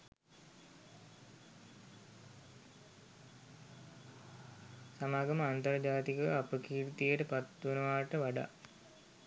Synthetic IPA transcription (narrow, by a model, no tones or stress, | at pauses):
samaːɡɐməant̪ɐɾd͡ʒaːt̪ikəʋapəkiːɾt̪ijəʈəpat̪ːunəʋaːʈəʋaɖa̰